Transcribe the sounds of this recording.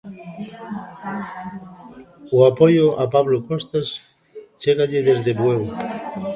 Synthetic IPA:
oapojoʔapaβlokost̪as | t͡ʃeɣaʎeðezðeβweɣo

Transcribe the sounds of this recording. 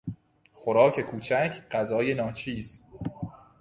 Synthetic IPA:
xoɾɒːcʰe̞kʰuːt͡ʃʰæcʰɢ̥æzɒːje̞nɒːt͡ʃʰiːz̥

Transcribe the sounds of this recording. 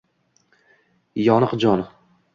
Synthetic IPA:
jɒnəqd͡ʒɒn

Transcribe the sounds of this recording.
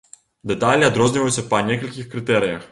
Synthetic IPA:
d̪ɛt̪alʲiɐd̪ɾɔznivɔisɛpanʲɛkəlʲkʲixkɾit̪ɛɾijə

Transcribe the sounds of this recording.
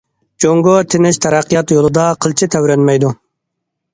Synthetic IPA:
d͡ʒoŋɡot̪ʰɪnɪʃt̪ʰɛɾæqːijɑt̪jolˠɨd̪ɑqʰəlˠt͡ʃʰɪt̪ʰɛwɾɛnmɛjd̪u

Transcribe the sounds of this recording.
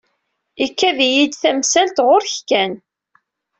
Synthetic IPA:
ikːæðjid̪θæmsælt̪ʁʊɾçkːæn

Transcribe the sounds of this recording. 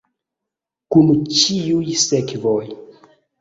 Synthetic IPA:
kunt͡ʃiujsekvoj

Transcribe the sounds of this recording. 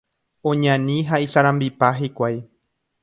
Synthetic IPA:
õ̞ɲãnĩɦaisaɾãmbipaɦikʷaj

